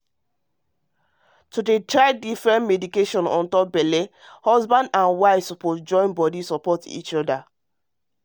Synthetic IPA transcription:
tudetɹaɪdifɹɛ̃nmedikeʃɔ̃nɔ̰̃ntɔp̚bɛle | hɔzbãndãnwaɪfsɔposd͡ʒɔ̃ɪ̃nbɔdisɔpɔtḭt͡ʃɔda

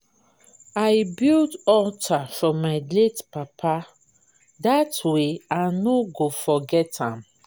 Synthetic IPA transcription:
aɪbildɔtʰafɹɔmːaɪledpapʰa | datweanoɡofɔɡɛtãm

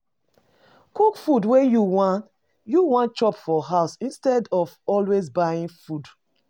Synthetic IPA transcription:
kukfudwejuwãn | juwãnt͡ʃɔpfɔɦaʊsĩnstɛdɔvɔlwezbajĩnfud

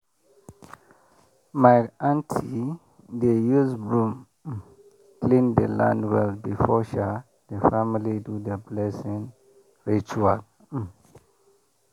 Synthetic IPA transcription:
maãntʰi | dejuzbɹũm | klĩndəlã̰ndwɛlbifɔʃa | dəfamilidudəblɛsĩŋ | ɹit͡ʃual

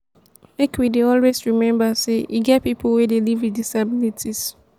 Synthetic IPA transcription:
ekʰwideɔlwesɹimɛ̃mbaseʔiɡɛt̚pipʰwedelividisabilitʰis

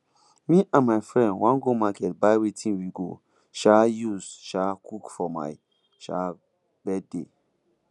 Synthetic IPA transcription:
mĩʔãnmaɪfɹɛ̃ndwãnɡomakɛtbaɪwetʰĩnwiɡo̰ | ʃajuzʃakʰukfɔma̰ɪ | ʃa̰ | bɛd̚de

